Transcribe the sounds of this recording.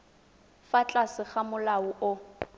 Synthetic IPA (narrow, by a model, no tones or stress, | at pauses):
fat͡ɬʼasɪχamʊlaʊʔʊ